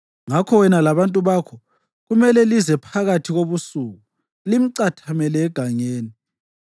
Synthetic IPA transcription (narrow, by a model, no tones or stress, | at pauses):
ŋakʰɔwɛnalaβantʼuβakʰɔ | ɣumɛlɛlizɛpʰaɣatʰiɣoβusuɣu | lim̩ǀatʰamɛlɛːɡ̥ʱaɲeːni